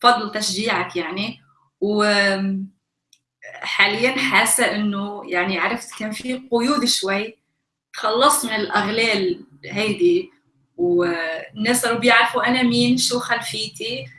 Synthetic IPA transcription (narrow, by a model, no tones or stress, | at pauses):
fɑd̪ˤɨlt̪aʃʒiːʕakjaʕni | w | ħaːlɪjːanħaːsːaʔɪnːʊjaʕniaʕɾˤɪft̪keːnfiqʊjuːd̪ʃwajː | t̪xɑlːɑsˤmɪnɪlʔaɣleːlɦajd̪i | w | nːeːsʔalubjaʕɾafuʔanamiːnʃuːxalfiːt̪i